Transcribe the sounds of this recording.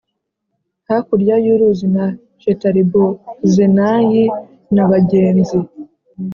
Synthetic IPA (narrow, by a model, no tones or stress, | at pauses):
hakuɾjajuɾuzina | t͡ʃetaɾibozenaji | naβaɟeːnzi